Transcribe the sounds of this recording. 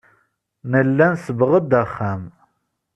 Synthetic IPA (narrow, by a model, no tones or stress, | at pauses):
nəlːænsəbʁəd̪æχːæm